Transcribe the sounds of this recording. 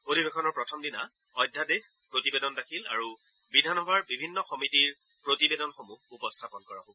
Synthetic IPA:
odʱibekʰɔnɔɹpɹɔtʰɔmdina | ɔjdʱːadex | pɹotibedɔndakʰila̰ɹu | bidʱanɦɔbʱaɹbibʱinːɔxɔmitiɹ | pɹotibedɔnxomuhupɔstʰapɔnkɔɹabɔ

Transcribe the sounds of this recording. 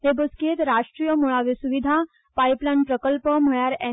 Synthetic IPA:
ɦebəsket̪ɾaʂʈɾijəmuɭaʋesuʋid̪ʱa | pajplãnpɾəkəlpəm̤əɭjaɾɛ

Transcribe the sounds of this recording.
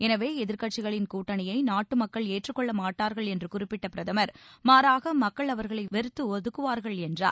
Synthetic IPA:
ɛnɐʋeːɛðɪɾkɐʈ̚t͡ʃɪɣɐɭɪnkuːʈːɐnɪjɐɪnaːʈːɯmɐkːɐɭeːʈrɯkːɔɭːɐmaːʈːaːɾɣɐɭɛndrɯkʊrɪpːɪʈːɐpɪɾɐðɐmɐɾmaːɾaːɣɐmɐkːɐɭɐʋɐɾɣɐɭɐɪʋɛɾɯt̪ːɯɔðɯkːɯʋaːɾɣɐɭɛndra̰ː

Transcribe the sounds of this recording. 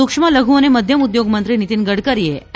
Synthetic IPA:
ukʂmaləɡʱuʋneməd̪ʱjəmud̪joɡmənt̪ɾinit̪iːnɡəɽkəɾje

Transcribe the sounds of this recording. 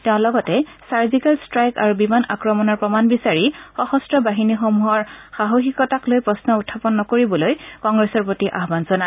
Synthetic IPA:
tɛʊ̃lɔɡɔtɛsaɹzikalstɹajka̰ɹubimana̰kɹɔmɔnɔɹpɹɔmanbisaɹixɔhɔstɹɔbaɦinixɔmuɦɔɹxaɦoxikɔtaklojpɹɔsnɔutʰːapɔnːɔkoɹibɔlojkɔŋɡɹɛsɔɹpɹotiʔa̰ɦbanzɔna

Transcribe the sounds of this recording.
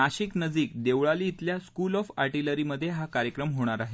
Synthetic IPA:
aɕiknəd͡z̪iːkd̪eʋɭaliːt̪ljaskulɔfa̰ɾʈiləɾiməd̪ʱːjeɦakaɾjəkɾəmɦoɽ̃aɾaɦe

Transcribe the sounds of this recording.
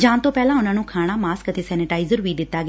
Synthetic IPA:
d͡ʒãːnt̪õːpɛːlãːʊnãːnũːkʰaːɽ̃aːmaːskət̪eːsɛːnɪʈaːɪzəɾʋiːd̪ɪt̪ːaːɡ

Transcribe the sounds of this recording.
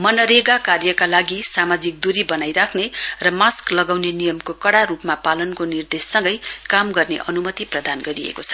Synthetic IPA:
mʌnʌɾeɡakarjʌkalaɡisamad͡zik̚d̪uɾibʌnajɾakʰnerʌmasklʌɡawnenijʌmkokʌɽarupmapalʌnkonird̪esːʌ̃ŋɡʌjkamɡʌrneʔʌnumʌt̪iprʌd̪anɡʌɾiḛkot͡sʰʌ̥

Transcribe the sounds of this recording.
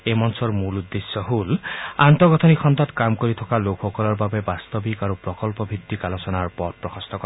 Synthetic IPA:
emɔnsɔɹmulud̪ːesːɔɦulant̪ɔɡɔt̪ʰɔnixʰɔnt̪ɔt̪kamkoɾit̪ʰɔkalokʰxɔkɔlɔɹbabebast̪ɔbikaɾupɹɔkɔlpɔbʱit̪ːikalɔsɔnaɹpɔt̪̚pɹɔxʰɔst̪ɔkɔ

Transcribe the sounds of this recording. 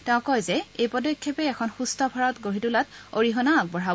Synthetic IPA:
tɛʊ̃kɔjzɛejpɔdɔkʰːɔpɛɛkʰɔnxustɔbʱaɹɔtɡoɹitulatoɹiɦɔnak̚bɔɹa

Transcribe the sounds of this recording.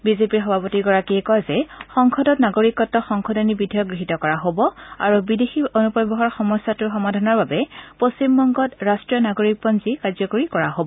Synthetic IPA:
bizepiɹxɔbʱapotiɡɔɹakiɛkɔjzɛxɔŋkʰɔdɔtnaɡoɹikːɔtːɔxɔŋkʰɔdɔnibidʱijɔɡɹiɦitɔkɔɹaɦobɔa̰ɹubidexionupɔjbɔɦɔɹxɔmɔsatuɹxɔmadʱanɔɹbabɛpostimːɔŋɡɔtɹastɹijɔnaɡoɹik̚pɔnzikazɔkoɹikɔɹaɦobɔ

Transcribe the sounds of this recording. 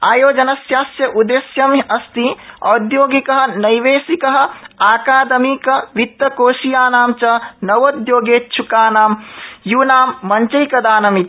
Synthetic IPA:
aːjoːd͡ʒɐnɐsjaːsjɐʔud̪eːsjɐmiʔɐst̪iɐd̪joːɡikɐɦɐ̆nɐjʋeːsikɐɦɐ̆aːkaːd̪ɐmikɐʋit̪ːɐkoːʃijaːnaːmt͡ʃɐnɐʋod̪joːɡeːt̪t͡ʃʰukaːnaːmjuːnaːmːɐɲt͡ʃɐjkɐd̪aːnɐmit̪

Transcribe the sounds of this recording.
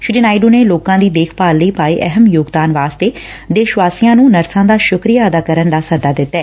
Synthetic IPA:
ʃʊɾiːnaːɪɖoːneːloːkãːd̪iːd̪eːkʰpaːlləiːpaːiːʔɛɦəmjoːɡd̪aːnʋaːst̪eː | d̪eːʃʋaːsijãːnũːnəɾsãːd̪aːʃʊkɾijaːəd̪aːkəɾənd̪aːsəd̪aːd̪ɪt̪ːɛː

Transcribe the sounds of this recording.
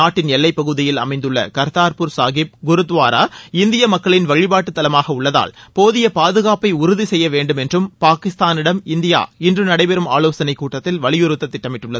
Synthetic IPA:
naːʈːɪnɛlːɐɪpːɐɣɯðɪjɪlɐ̰mɐɪnd̪ɯɭːɐ̰kɐɾt̪aːɾpʊɾsaːɣɪp̚ɡʊɾɯt̪ːʋaːɾa̰ːɪnd̪ɪjɐmɐkːɐɭɪnʋɐɻɪbaːʈːɯt̪ːɐlɐmaːɣɐʊɭːɐða̰ːɭpoːðɪjɐpaːðɯɣaːpɐɪʊɾʊðisɛjːɐʋeːɳɖɯmɛndrɯmpaːkɪst̪aːnɪɽɐmɪnd̪ɪja̰ːɪndrɯnɐɽɐɪpɛɾɯma̰ːloːsɐnɐɪkːuːʈːɐt̪ːɪlʋɐɭɪjʊɾɯt̪ːɐt̪ːɪʈːɐmɪʈːɯɭːɐð

